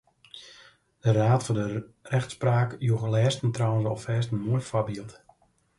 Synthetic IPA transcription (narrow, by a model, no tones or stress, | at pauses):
d̥əraːtfandərɛxtspraːkjuɣəlɛːstəntrɔwənsɔfɛːstən̩moəjfabiəlˠt